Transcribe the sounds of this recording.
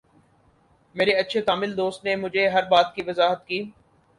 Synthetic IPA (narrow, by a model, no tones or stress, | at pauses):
meːɾeɐtːʃʰet̪aːmɪld̪oːst̪nemʊd͡ʒʱeɦɐɾbaːt̪̚kiʋɐzaːɦət̪kiː